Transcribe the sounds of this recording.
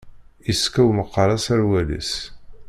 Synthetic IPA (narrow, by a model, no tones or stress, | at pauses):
iskæwməqːəɾˤɑsæɾwælḭs